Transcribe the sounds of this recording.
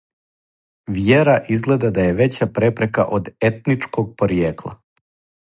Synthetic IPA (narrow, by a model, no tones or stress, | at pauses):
ʋjeɾaʔizɡle̞d̪ad̪aje̞ʋet͡ɕapɾepɾe̞ka̰ʔod̪et̪nit͡ʃkoɡ̚poɾjeːklˠa̰